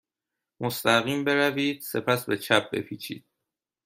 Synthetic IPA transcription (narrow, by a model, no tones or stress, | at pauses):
most̪æɣiːmbe̞ɾæviːd̪̥̚se̞pʰæsbe̞t͡ʃʰæp̚be̞̰pʰiːt͡ʃʰḭːd̪̥̚